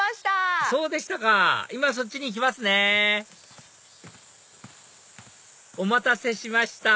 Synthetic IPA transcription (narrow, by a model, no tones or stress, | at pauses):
t̪aso̞ːd̪eɕi̥t̪akaimas̬o̞t͡ɕ̚ːiɲ̟ik̬ʲimasɨne̞ | o̞mat̪ase̞ɕimaɕi̥t̪a